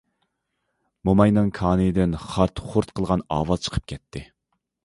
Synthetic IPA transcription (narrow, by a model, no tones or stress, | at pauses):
momɑjnɨŋkʰɑːnɨd̪ɪnχɑɾt̪χʊɾt̪qʰəlˠʁɑnɑ̰ːwɑz̥t͡ʃʰə̥qʰə̥p̚kʲʰɛt̪ʰːɪ